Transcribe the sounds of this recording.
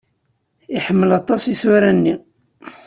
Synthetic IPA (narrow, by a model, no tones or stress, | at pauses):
iħəmːəlɑt̪ˤːɑsiswæɾænːi